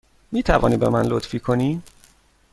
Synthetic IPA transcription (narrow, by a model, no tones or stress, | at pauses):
miːt̪ʰævɒ̰ːniːbe̞̰mænlot̪fiːkʰoniː